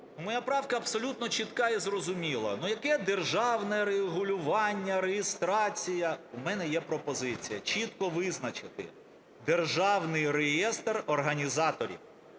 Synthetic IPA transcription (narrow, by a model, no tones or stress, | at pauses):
numɔjapɾɑwkɐɐbsɔlʲut̪nɔt͡ʃit̪kɑizrɔzʊmʲilˠɐ̰nujɐkɛd̪erʒɑwnɛɾeɦʊlʲʊʋɑnʲːɐɾejɪst̪ɾɑt͡sʲijɐʊmɛnɛjɛpɾɔpɔzɪt͡sʲijɐt͡ʃʲit̪kɔʋɪznɐt͡ʃɪt̪ɪ̰ | d̪erʒɑwnɪjrejɛst̪rɔrɦɐnʲizɑt̪ɔɾʲḭw